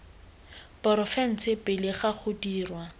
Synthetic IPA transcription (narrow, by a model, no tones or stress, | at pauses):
pɔɾɔfɛn̩t͡sʰɪpɪlɪχaχʰʊdiːrwa